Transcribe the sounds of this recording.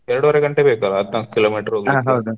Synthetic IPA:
ɛɾɐɽuʋɐɾeɡɐɳʈebeːkɐlɐɐt̪nalku̥kiloːmiːʈɐɾoːɡãɦɐd̪u

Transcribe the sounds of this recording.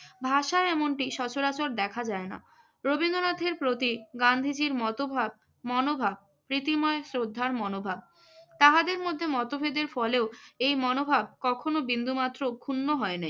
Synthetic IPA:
bʱaʃaɛmoɳʈiʃɔt͡ɕoɾat͡ɕoɾd̪ɛkʰad͡ʑaena̰ | ɾobind̪onat̪ʰeɾpɾot̪iɡand̪ʱid͡ʑiɾmɔt̪obʱab̚ | mɔnobʱab̚ | pɾit̪imɔesɾod̪ʱːaɾmɔnobʱab̚ | t̪aɦad̪eɾmod̪ʱːemɔt̪obʱed̪eɾfɔleoejmɔnobʱab̚kɔkʰonobind̪ʱumat̪ːɾokʰunːoɦɔenej

